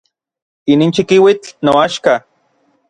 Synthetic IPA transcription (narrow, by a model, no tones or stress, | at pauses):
iniːnt͡ʃikiwit͡ɬnoaʃka